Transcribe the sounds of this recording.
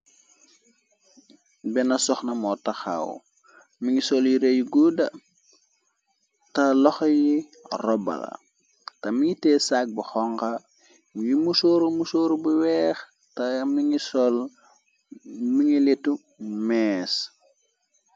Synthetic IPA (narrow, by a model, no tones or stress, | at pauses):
bɛnɐsɔxnɐmɔtɐxa̰w | miŋisɔljiɾejuɡudɐ | tɐlɔxɐjirɔbɐ̰lɐ̰ | tɐmiŋitɛːsak̚buxɔŋkɐ | jimusoːɾumusoːɾubuwɛːx | tɐmiŋisɔl | miŋiletːu | mɛːs